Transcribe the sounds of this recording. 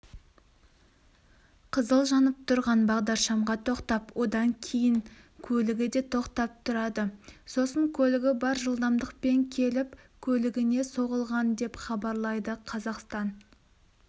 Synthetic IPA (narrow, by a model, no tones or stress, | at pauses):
qʰəzəlˠʒɑnəp̚t̪ʰʊɾʁɑnbɑʁd̪ɑɾʃɑmʁɑt̪ʰo̞qt̪ɑpwo̞d̪ɑŋkʲʰejɪŋ | kʲʰɵlɪɡʲɪd̪e̞t̪ʰo̞qt̪ɑp̚t̪ʰʊɾɑd̪əso̞səŋkʲʰɵlɪɡʲɪbɑɾʒəlˠd̪ɑmd̪əq̚pe̞ŋkʲʰe̞lɪpkʲʰɵlɪɡʲɪne̞so̞ʁəlˠʁɑnd̪e̞pχɑbɑɾlˠɑjd̪əqʰɑzɑqst̪ɑn